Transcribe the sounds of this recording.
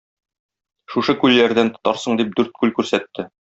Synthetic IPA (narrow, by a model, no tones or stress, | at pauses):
ʃuʃɤkʉlːæɾd̪ænt̪ŏ̥t̪ɑɾsɤɴd̪ip̚d̪ʉɾt̪̚kʉlkʉɾsæt̪ːɘ